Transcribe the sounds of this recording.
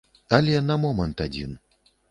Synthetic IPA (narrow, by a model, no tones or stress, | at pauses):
alʲɛnɐmɔmɐnt̪ad͡zʲḭn